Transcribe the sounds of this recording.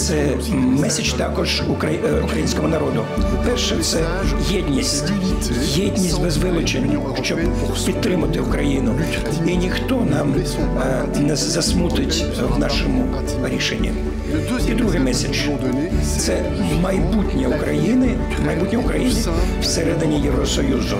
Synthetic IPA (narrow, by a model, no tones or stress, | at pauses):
t̪sɛ | mɛsʲɐt͡ʃt̪ɑkɔʒ | ukɐukɾɐjinʲsʲkɔɦɔnɐɾɔd̪ʊpɛrʃɛt̪sɛ | jɛdʲnʲisʲtʲ | jɛdʲnʲisʲtʲbezʋɪlˠɔt͡ʃenʲ | ʃt͡ʃɔb | pʲid̪ːɾɪmɐt̪ɪʊkɾɐjinʊ | inʲixt̪ɔnɑm | nɛzɐsmut̪ɪtʲ | wnɑʃɔmʊ | ɾʲiʃenʲːḭ | id̪ɾuɦɪjmɛsʲɐt͡ʃ | t̪sɛ | mɐjbutʲnʲiʊkɾɐjinɪ | mɐjbutʲnʲiʊkɾɐjinʲɪ | wseɾɛd̪ɪnʲijewɾɔsɔjuzʊ